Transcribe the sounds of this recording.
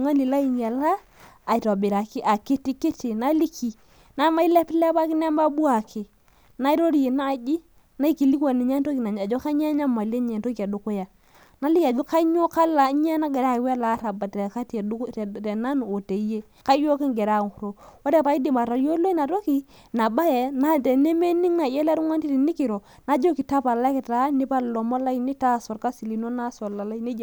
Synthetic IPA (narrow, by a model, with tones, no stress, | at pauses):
ŋa˦li˨la˦i˨ɲ˨a˨laː˦˨ | tɔ˨bɪ˨ɾa˨kɪ˦ʔa˨ki˦ti˦ki˦ti˨na˦li˦ki˨ | na˦ma˦i˦lɛ˦plɛ˦ba˦kɪ˦n˦a˦ma˦bu˦a˨kʰɪ˨ | na˦i˦ɾo˦ɾje˨na˦˨d͡ʒi˦ | na˦i˦ki˨li˦kwa˨ni˨ɲa˦n˦to˦ki˨na˨ɲ˨a˨d͡ʒo˦ka˦ɲa˦ɲa˦ma˨le˦ɲɛ˨nto˦ki˨a˨dʊ˨ko˦ja˨ | na˦li˦ka˨d͡ʒo˦ka˦ɲo˦ka˦la˨ɲɛ˦na˦ɡɛ˨ɾa˦˨wɛ˦la˨˦ɾa˨ba˨tɛ˨ka˦te˨na˦n˨o˨te˨˦je˦ | ka˦jo˦ki˦ŋɡɛ˨ɾa˦˨ŋ˨ku˨ɾo˨wo˦te˦pa˨˦i˦di˨ma˨ɾa˨jo˦lo˦i˦na˨to˦ki˨˦ | na˨ba˦jɛ˨na˦tɛ˨ne˦me˦ni˦ŋna˨jɛ˦la˦ɾu˦ŋwa˦nti˦ti˨ni˦ki˨ɾo˨ | na˨˦d͡ʒo˦ki˨ta˦pa˨la˦kɛ˨ta˨˦ni˦pa˦lɔ˨mo˦la˦i˦ni˦ta˦˨sɔ˨ɾka˦si˨li˨no˦na˦sɔ˨la˨la˦i˦ni˦d͡ʒ